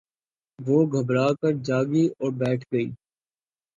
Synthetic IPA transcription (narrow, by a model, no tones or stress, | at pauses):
ʋoːɡʱɐbɾaːkɐɾd͡ʒaːɡiɔːɾbɛːʈʰɡɐḭː